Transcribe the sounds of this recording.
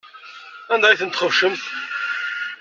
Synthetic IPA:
ænd̪æjθənt̪χəvʃəmt̪

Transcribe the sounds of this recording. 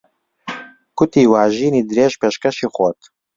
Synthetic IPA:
kʊt̪iːwaːʒiːniːd̪ɨɾeːʒpeːʃkɛʃiːxot̪

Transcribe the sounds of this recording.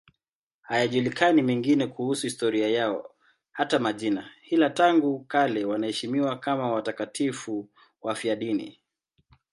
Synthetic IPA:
hajaʄulikanimɛŋɡinɛkuhusuhistɔɾiajaɔ̰ | hatamaʄinahilataŋɡukalɛwanahɛʃimiwakamawatakatʰifu | wafiaɗinḭ

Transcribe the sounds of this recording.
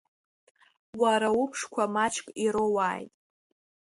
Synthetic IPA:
waɾaʊpʰʂkʷʰamat͡ʃʰkʼiɾowaːjtʼ

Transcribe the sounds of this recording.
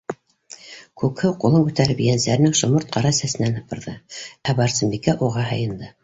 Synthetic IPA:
kʉkhɘwqulˠɤŋkʉt̪æɾɘbijænsæɾ̆nɘŋʃŏmɤɾt̪̚qʰɑɾɑsæsɘ̆nænhɤ̆pɤ̆ɾðɤæbɑɾsɤ̆mbikæʔuʁɑɦɤ̆jɤ̆nd̪ɤ

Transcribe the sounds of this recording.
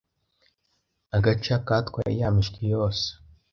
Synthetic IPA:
aɡat͡ʃakat̪kwa̰ḭjamiʃkʰijoːs

